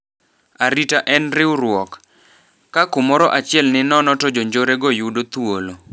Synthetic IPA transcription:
aɾitaʔɛnɾɪʊɾwɔk | kakʊmɔɾɔʔat͡ʃɪɛlnɪnɔnɔtod͡ʒoɲd͡ʒoɾeɡɔjudot̪wolo

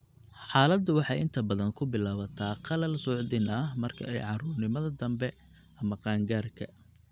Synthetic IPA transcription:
ħɑːlɐd̪ʊwɑħɑjɪnt̪ʰɐbɐðɐŋkʰʊbɪlaːβɐt̪ʰaːqɑlɐlsʊʕd̪ɪnɐɦmɐrkʰɐ̰ɛjʕɑrʊːrnɪmɐðɐd̪ɐmbɛ | ʔɐmɐqɑːŋɡaːrkʰɐ

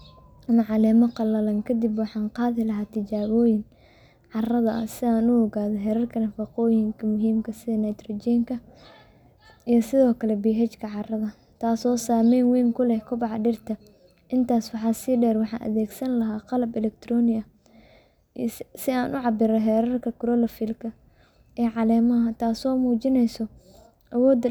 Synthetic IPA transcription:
mɐʕɑlɛːmɐqɑlɐlɐŋkʰɐd̪ɪbwɑħɑːnqɑːðɪlɐɦaːt̪ʰɪt͡ʃaːβɔːjɪŋ | ʕɑrɐðɐʔɐsɪaːnʊɔɣaːðɔɦɛɾɐrkʰɐnɐfɑqɔːjɪŋkʰɐmʊɦiːmkʰɐsɪðɐnɛjt̪rɔd͡ʒɛːŋkʰɐ | ijɔsɪðɔːkʰɐlɛbiːɦɛt͡ʃkʰɐʕɑrɐðɐ | t̪ʰaːsɔːsaːmɛːnwɛːŋkʰʊlɛhkʰʊbɑʕɑɖɪrt̪ʰɐ | ʔɪnt̪ʰaːswɑħɑːsɪɖɛːrwɑħɑ̰ːʔɐ̰ðɛːɡsɐnlɐɦaːqɑlɐbɛlɛk̚t̪ʰɾɔːnɪɐ | sɪaːnʔʊʕɑbɪɾɐɦɛɾɐrkʰɐkʊɾɔːlɐfɪlkʰɐ | ʔɛːʕɑlɛːmɐɦɐt̪ʰaːsɔːmuːt͡ʃɪnɛjsɔ | ʔɐwɔːd̪

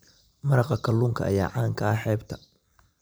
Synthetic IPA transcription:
mɐɾɑqɐkʰɐlːʊŋkʰɐ̰ʔɐjaːʕaːŋkʰɐɐħɛːbt̪ʰɐ̥

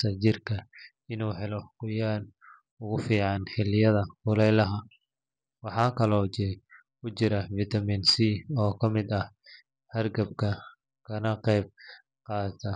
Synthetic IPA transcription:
sɐt͡ʃɪrkʰɐ | ɪnuːħɛlɔqʊjaːn | ʊɣʊfiːʕɑnħɪlːɪjɐðɐhʊlɛjlɐɦɐ | wɑħɑːkʰɐlɔːt͡ʃɪɾɛ | kʊt͡ʃɪɾɐfit̪ʰɐmiːnsiɔːkʰɐmɪd̪ɐh | hɐrɡɐb̚kʰɐ | kʰɐnɐqɛjb̚ | qɑːt̪ʰɐ

